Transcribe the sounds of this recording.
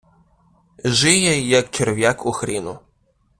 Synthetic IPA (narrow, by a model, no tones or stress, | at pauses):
ʒɪjɛjɐkt͡ʃerʋʲjakuxɾʲinʊ